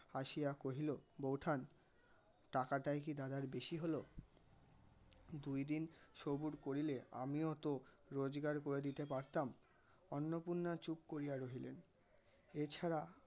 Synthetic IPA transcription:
haʃijakoɦilobowʈʰan | ʈakaʈajk̬id̪ad̪aɾbeʃiɦolo | d̪ujd̪inʃobuɾkoɾilea̰miot̪o | ɾod͡ʑɡaɾkoɾed̪it̪epaɾt̪am | ɔnːopunːat͡ɕup̚koɾijaɾoɦilḛn | et͡ɕʰaɾa

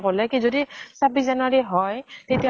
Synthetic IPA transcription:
kɔlɛkizodisabis̬zanwaɹiɦɔjtetija

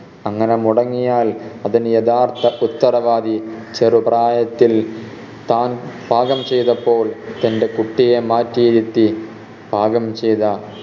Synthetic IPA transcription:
ɐŋːɐnemuɽɐŋːijaːlɐðinjɐd̪aːrt̪ɐʔut̪ːɐɾɐʋaːd̪it͡ɕerupraːjɐt̪ːil | t̪aːnbʱaːɡɐmt͡ɕejðɐpːo̞ːɭt̪ɐnde̞kuʈːijemaːtːiːðit̪ːi | bʱaːɡɐmt͡ɕejðɐ

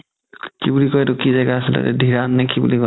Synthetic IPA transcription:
kibulikɔjtukizɛɡaasilɛ̰ɾɛ̰dʱiɹanːɛkibṵlikɔ

